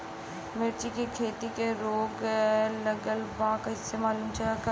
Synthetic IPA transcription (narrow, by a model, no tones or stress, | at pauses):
meɾt͡ʃikekʰeːt̪ikeɾoːɡləɡəlʋɐãkaɪsemaːluːmt͡ʃʰaak